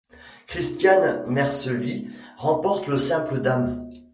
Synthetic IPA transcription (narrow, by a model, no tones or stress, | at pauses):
kχist̪janmɛʁsəliʁɑ̃pɔʁt̪ləsɛ̃pləd̪am